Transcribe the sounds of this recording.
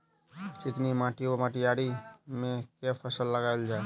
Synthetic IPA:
t͡ʃɪknimãʈiomãʈijaɽimẽkepʰəsəlːəɡaeld͡ʒae

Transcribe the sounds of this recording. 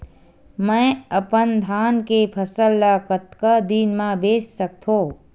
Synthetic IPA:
mə̃əpənd̪ʱaːnkepʰəsəlːakət̪kəd̪iːnmãbeːssək̚t̪ʰõː

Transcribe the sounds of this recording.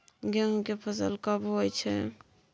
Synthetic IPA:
ɡɛŋkepʰəsə̰lkəbɦojt͡ʃʰɛ̰

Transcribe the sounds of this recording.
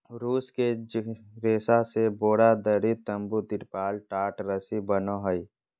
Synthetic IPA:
ɾuːske | ɾeːsaseboːɽad̪əɾit̪əmbud̪ɪɾpaːlʈaːʈɾəsibənoɦəi

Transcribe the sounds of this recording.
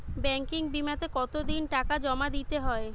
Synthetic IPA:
bɛŋkiŋbimat̪ekɔt̪od̪inʈakad͡ʑɔmad̪it̪eɦɔe

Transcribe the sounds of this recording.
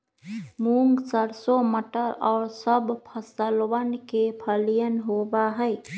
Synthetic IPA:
muːŋɡsəɾsoməʈəɾɔːɾsəbpʰəsəlwənkepʰəlijənɦobaɦəɪ

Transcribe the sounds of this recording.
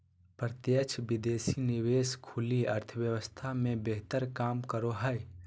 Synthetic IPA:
pɾət̪jət͡ʃʰbid̪eːsiniweskʰuliəɾt̪ʰəʋjəwəst̪ʰamẽbeɦt̪əɾkaːmkəɾoɦəj

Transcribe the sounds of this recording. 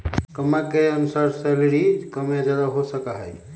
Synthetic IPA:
kəmakeənusaɾsəlɽikəmjad͡ʒad̪aɦosəkaɦə̰j

